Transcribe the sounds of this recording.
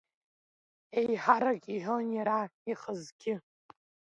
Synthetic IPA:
ejħaɾakʼiħʷʊnjaɾaiχəzɡʲɪ

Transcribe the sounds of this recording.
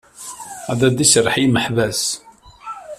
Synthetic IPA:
æðæd̪isərˤħijməħvæs

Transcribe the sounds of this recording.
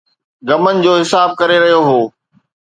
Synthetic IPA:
ɡɐmənɪ̆d͡ʑoːɦɪsaːb̚kɐɾeɾɐɦijoɦoː

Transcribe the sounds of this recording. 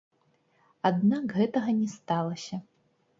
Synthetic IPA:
ad̪nakɣɛt̪ɐɣɐnʲɛst̪alˠɐsʲɐ

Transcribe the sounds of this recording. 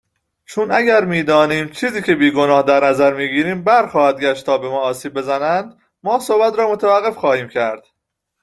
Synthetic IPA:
t͡ʃʰunæɟæɾmiːd̪ɒːniːmt͡ʃʰiːziːcʰe̞biːɡonɒːhd̪æɾnæzæɾmiːɡiːɾiːmbæɾxɒːhæd̪̚ɡʲæʃt̪t̪ʰɒːbemɒːsiːb̚ːezænænd̪ | mɒːsobæt̪ɾɒːmot̪ʰævæɢːefχɒːhiːmcʰæɾd̪̥

